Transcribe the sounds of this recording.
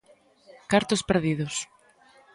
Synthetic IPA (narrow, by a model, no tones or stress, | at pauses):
kaɾt̪ospeɾðiðʊs